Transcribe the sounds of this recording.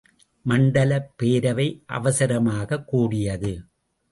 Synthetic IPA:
mɐɳɖɐlɐpːeːɾɐʋɐɪʔɐ̰ʋɐsɐɾɐmaːɣɐkːuːɽɪjɐðɯ

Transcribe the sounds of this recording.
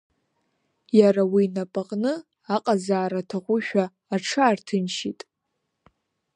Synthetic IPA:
jaɾawinapʼaqʼnɨ | aqʼazaːɾatʰaχʷʊʃᶣaː | ʈ͡ʂʰaːrtʰɨnʃitʼ

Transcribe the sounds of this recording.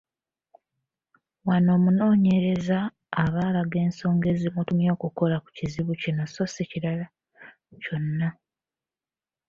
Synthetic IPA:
wano̞ːmuno̞ːɲe̞ɾe̞zaː | βaːlaɡe̞ːnso̞ːŋɡe̞ːzimutumjo̞ːkuko̞laku̥ciziβucinoso̞siciɾala | co̞nːa

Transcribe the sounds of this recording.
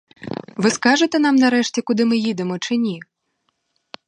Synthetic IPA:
vɨskaʐɨt̪ɛn̪amnɐɾɛʂt͡sʲɛkud̪ɨmɨjid̪ɛmɔt͡ʂɨnʲi

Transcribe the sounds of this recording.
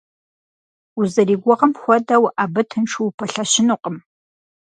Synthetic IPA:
uzɐriːɡʷɔʁɐmxʷɔdɐwaːbɨtʰɨnʈ͡ʂʰuwpʰɐɬɐɕɪnuqʼəm

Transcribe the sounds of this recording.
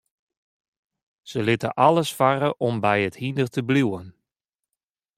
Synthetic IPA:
z̥əlɪtəʔɑlˠəsfaɾəʔɔmbɛjəthindərtʰəbluwən

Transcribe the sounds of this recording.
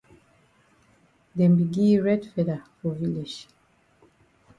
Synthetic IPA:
dɛ̃mbiɡĩɹɛdfɛdafɔviled͡ʒ

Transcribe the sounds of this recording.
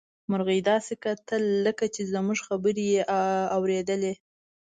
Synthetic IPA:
mʊɾɣijd̪ɑsekat̪əlːəkat͡ʃezəmuʐxabəɾejeʔawɾed̪əle

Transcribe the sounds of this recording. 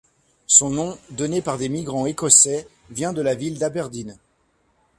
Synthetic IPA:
sɔ̃nɔ̃d̪ɔnepaʁd̪emiɡʁɑ̃ekɔsɛ | vjɛ̃d̪əlavild̪abɛʁd̪in

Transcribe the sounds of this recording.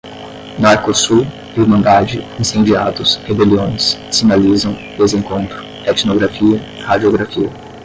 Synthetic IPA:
naɾkosuɾ | iumɐ̃nd̪ad͡ʒɪĩsẽnd͡ʒiad̪ʊshebeliõj̃ssĩnalizɐ̃w̃d̪ezẽŋkõnt̪ɾʊ̥ | ɛt͡ʃnoɡɾafiɐ | had͡ʒioɡɾafiɐ

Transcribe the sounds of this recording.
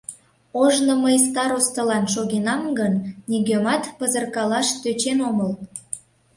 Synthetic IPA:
oʒnoməjst̪ɑɾost̪əlɑnʃoɣenɑmɡənniɣømɑt̪pəzərkɑlɑʃt̪øt͡ɕenoməl

